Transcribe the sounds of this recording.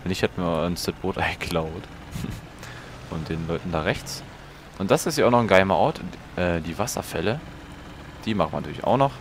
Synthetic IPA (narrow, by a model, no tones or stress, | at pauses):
ɛnɪçhatəmiːanstɛt̚b̥oːtʔaɪɡəkʰlaʊt | ʔʊnt̚d̥eːnlɔʏtn̩daːʁɛçt͡s | ʔʊntd̥asɪstjaːʊxnɔχn̩ɡaɪmɐʔɔɐtʰ | ʔɛːdiːvasɐ̰fɛlə | d̥iːmaχm̩anatʰyːlɪçʔa̰ʊxnɔχ